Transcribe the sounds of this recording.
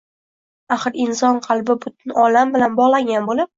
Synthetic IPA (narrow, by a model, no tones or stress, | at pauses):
aχɨɾɪnsɒnqʰɑlˠbɪbʊt̪̚ʰɪnɒlambɪlanbɒʁlˠaŋɡʲanbolɪp̚